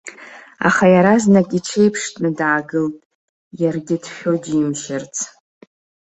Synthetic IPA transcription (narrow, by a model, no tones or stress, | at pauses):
a̰χajaɾaznakʼiʈ͡ʂʰejpʰʂtʼnɨdaːɡɨltʼ | jarɡʲɪdʃᶣodimʃɪrt͡sʰ